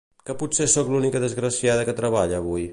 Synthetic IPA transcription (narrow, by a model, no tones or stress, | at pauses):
kəputsesɔklunikəðəzɣɾəsiaðəkət̪ɾəβaʎəːβuj